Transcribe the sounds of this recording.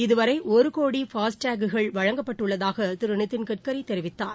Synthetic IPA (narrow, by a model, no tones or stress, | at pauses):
ɪðɯʋɐɾɐɪʔɔɾɯkoːɽifaːsʈaːɡɯɣɐɭʋɐɻɐŋɡɐpːɐʈːɯɭːɐðaːɣɐt̪ɪɾɯɳɯt̪ːɪnkɪʈ̚kɐɾɐɪt̪ːɛɾɪʋɪt̪ːaːn